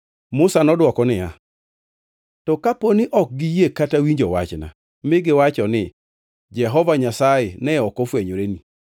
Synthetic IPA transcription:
mʊsanɔdwɔkɔnɪja̰ | tɔkaponɪʔɔk̚ɡɪjekatawiɲd͡ʒɔwa̰t͡ʃna̰ | mɪɡɪwat͡ʃɔnɪ | d͡ʒɛɦɔvaɲasajɪnɛɔkɔfweɲoɾeni

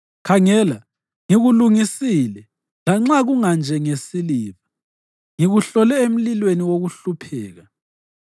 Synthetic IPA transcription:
kʰaŋɛla | ŋiɣuluŋisilɛ | laŋ͡ǁaɣuŋand͡ʒʱɛŋesiliːβa | ŋiɣuɬɔlɛem̩lilweniwoɣuɬupʰɛ̰ːɣa

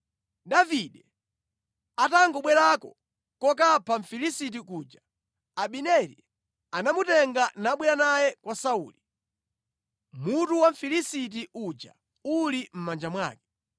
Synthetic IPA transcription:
ɗaviɗɛ | ataŋɡɔɓwɛɾakɔ̰ | kɔk̬apʰaɱ̩filisitik̬uːd͡ʒa | aɓinɛɾḭ | anamutɛŋɡanaɓwɛɾanajɛkwasaṵːli | mutuwaɱ̩filisit̬iʔud͡ʒa̰ | ulim̩mand͡ʒamwa̰ːkɛ̥

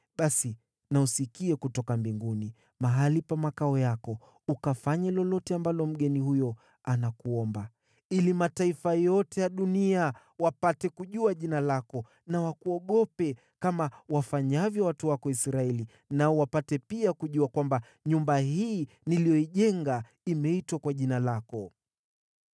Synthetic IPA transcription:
ɓasi | nausikiɛkutɔkambiŋɡuni | maɦalipamakaɔjakɔ | ukafaɲɛlɔlɔtɛambalɔm̩ɠɛnihujɔ | anakuɔmba | ilimataifajɔtɛjaɗunia | wapatɛkuʄuaʄinalakɔ | nawakuɔɠɔpɛ | kamawafaɲavjɔwatuwakɔisɾaɛli | naɔwapatɛpiakuʄuakwamba | ɲumbahiː | nilijɔiʄɛŋɡa | imɛitwakwaʄinalakɔ

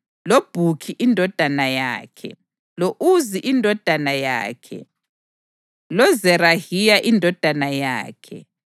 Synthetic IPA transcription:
lob̥ʱukʰiʔindʱɔd̥ʱanaja̰ːkʰɛ̰ | loʔuziʔindʱɔd̥ʱanaja̰ːkʰɛ̰ | lɔzɛrahijaʔindʱɔd̥ʱanaja̰ːkʰɛ̰

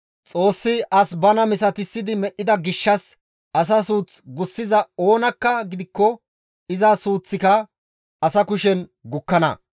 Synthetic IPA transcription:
t͡sʼo̞ːsːɪɐsbɐnɐmɪsɐt̪ɪsːɪd̪ɪmɛʔːɪd̪ɐɡɪʃːɐs | ʔɐs̬ɐsuːt͡sɡʊsːɪzɐo̞ːnɐkːɐɡɪd̪ɪkːɔ | ɪzɐsuːt͡sːɪkɐ | ɐsɐkʊʃɛnɡʊkːɐnɐ̰

